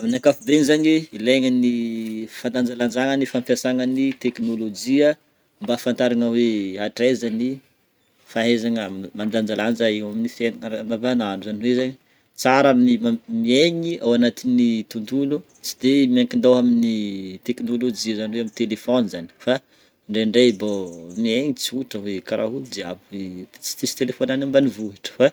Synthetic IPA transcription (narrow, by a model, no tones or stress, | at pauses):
aminakafubenizaɲiileŋənifand̪and͡zaland͡ʒaŋənifampasaŋənit̪eknolod͡ʒiə | mbafant̪aɾaŋəweaʈ͡ʂezani | faɦezaŋmand̪and͡ʒaland͡ʒaiaminifenɾnavananuzaniwezaɲi | t͡saɾamiamieɲiawanat̪init̪und̪ulu | t͡si̥d̪emiaŋkind̪awaminit̪ekinolod͡ʒizaniweamint̪elefonzani̥fa | ɳɖ͡ʐeɳɖ͡ʐebomieɲit͡siuʈ͡ʂəwekaɾʔa̰ɦuld̪ea̰buwet͡si̥t̪isi̥t̪elefonanambanivuɦaʈ͡ʂə̥fa